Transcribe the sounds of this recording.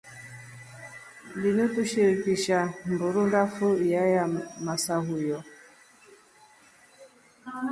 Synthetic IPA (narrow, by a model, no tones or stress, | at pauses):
dinutuʃiɾikiʃambuɾundafujajamasaɦujɔ